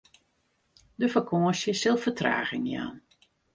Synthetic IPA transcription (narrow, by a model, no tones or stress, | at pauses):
dəfəkʰoːəsjəsɪlˠfətra̰ːɣɪŋja̰ːn